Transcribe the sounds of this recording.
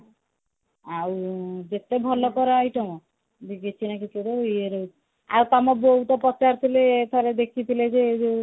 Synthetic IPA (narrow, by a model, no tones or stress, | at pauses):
awd͡ʒet̪ebʱɔlɔkɔɾaɔjʈɔmɔ | d̪iɡet͡ʃʰinakiked̪ejeɾou | a̰wt̪amɔboɦut̪ɔpɔt͡ʃaɾt̪ʰileːt̪ʰɔɾed̪ekʰit̪ʰiled͡ʒeːd͡ʒe